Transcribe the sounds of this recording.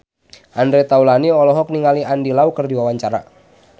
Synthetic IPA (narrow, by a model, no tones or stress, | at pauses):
ʔandɾet̪aulaniɔlɔɦɔk̚niŋaliandilaukərdiwawaɲt͡ʃaɾa̰